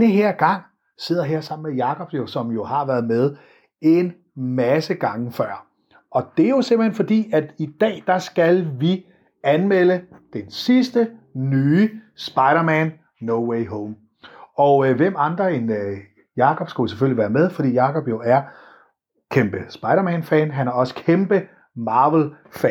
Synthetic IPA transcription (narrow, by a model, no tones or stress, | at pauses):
nəɦeɐ̰ɡ̥ɑ̈ŋ̰ | se̝ð̰ˠɐɦeɐsɑ̈m̰n̩mejɑ̈kʰɒ̽b̥josɒ̽mjo̝hɑ̈ʋæːɐð̩ˠmeðˠ | e̝n | mæsəɡ̥ɑ̈ŋəfɶɐ̰ | ɒ̽d̥e̝æɐjo̝se̝mb̥lhenfɒ̽d̥ḭːæd̥id̥ɛ̰ːd̥ɑ̈sɡ̥ælʋi | ænmeləd̥ensisd̥ənyːsb̥ɑ̈ɪɾɐmænː | oʊweɪɦoʊm | ɒ̽ʊʋem̰ɑ̈nd̥ʁɐen | jɑ̈ːkʰɒ̽b̥sɡ̥æjseføl̰iʋæːɐmeð̞ˠfɒ̽d̥ḭːjɑ̈kʰɒ̽b̥jo̝æɐ | kʰemb̥əsb̥ɑ̈ɪɾɐmænfɛnɦænæɐɒ̽sə̥kʰemb̥ə | mɑ̈ːʋəl̩ | fɛ